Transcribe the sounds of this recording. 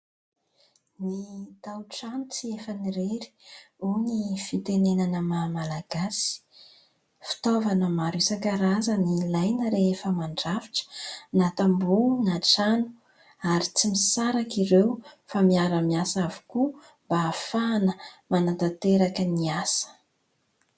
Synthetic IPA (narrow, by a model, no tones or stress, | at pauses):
nit̪awʈ͡ʂanut͡siefəniɾeɾi̥unifit̪enenanəmamalaɡasi̥ | fi̥t̪ovanəmaɾesakəɾazənilajnəɾeefəmaɳɖ͡ʐavi̥ʈ͡ʂə̥nat̪ambunaʈ͡ʂanu̥ | aɾit͡simisaɾakiɾewfamiaɾəmiasavu̥ku | mbaːfanəmanat̪at̪eɾakəniasə̥